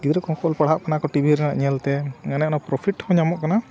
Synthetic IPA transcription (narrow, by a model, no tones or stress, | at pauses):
ɡid̪ɾɛkɔŋkɔɔlpaɽɦaʔkanakɔʈibʱiɾɛna̰ʔɲɛlt̪ɛŋanɛʔnapɾɔpʰiʈhɔ̃ɲamɔʔkana